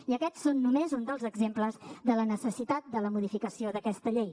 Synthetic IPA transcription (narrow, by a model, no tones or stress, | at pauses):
iəkɛsːonːumezund̪əlˠzəɡzempləzd̪ələnəsəsit̪at̪̚d̪ələmuðifikəsioðəkɛst̪əʎej